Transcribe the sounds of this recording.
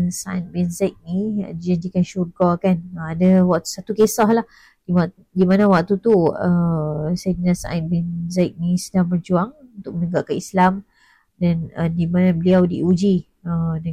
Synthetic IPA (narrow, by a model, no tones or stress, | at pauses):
saanbɛnzak̚nḭdid͡ʒaɲd͡ʒikanʃurɡakanadawak̚t̪u̥sat̪ukesɔhlah | dia | dimanãwak̚t̪ut̪uəsajdinasã̰n̚bɛnzak̚nĩsədahmərd͡ʒuaŋunt̪ʊk̚mənəɡaʔkaislam | danədimanabəliawdiud͡ʒi | əna